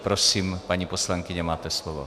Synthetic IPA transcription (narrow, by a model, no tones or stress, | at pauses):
pɾosiːmpaɲiposlaŋkiɲɛmaːt̪ɛslɔʋɔ̰